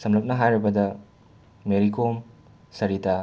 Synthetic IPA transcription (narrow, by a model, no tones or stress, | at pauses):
sɐmlɐp̚nɐɦajɾɐbɐdɐ | meɾikom | sɐɾita